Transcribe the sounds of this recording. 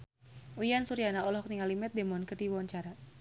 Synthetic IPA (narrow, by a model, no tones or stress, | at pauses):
ujansuɾianaɔlɔhkniŋalimɛt̪̚d̪emɔnkərdiwɔɲt͡ʃaɾa